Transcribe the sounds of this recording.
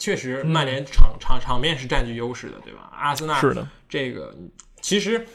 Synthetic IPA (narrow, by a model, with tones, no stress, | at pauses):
t͡ɕʰɥɛ˥˩ʂɻ̩˧˥ma˥˩nljɛ˧˥nʈ͡ʂʰɑ˧˥ŋʈ͡ʂʰɑ˧˥ŋʈ͡ʂʰɑ˧˥ŋpjɛ˥˧nʂɻ̩˥˧ʈ͡ʂa˥˧nt͡ɕy˥˩jo˥ʊʂɻ̩˥˩d̪ə̰˩t̪we˥˩a̰˩a̰˥s̩˥na˥˧˥ə̰˩ | ʈ͡ʂɤ˥˩ɡə̰˩˧ | t͡ɕʰi˧˥ʂɻ̩˧˥